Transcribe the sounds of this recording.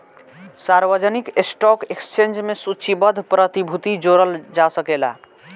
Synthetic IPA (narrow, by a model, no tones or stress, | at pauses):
saɾbəd͡ʒənikesʈɔkekst͡ʃend͡ʒmesut͡ʃʰibəd̪ʱpɾət̪ibʱut̪id͡ʒoɾəld͡ʒasəkela̰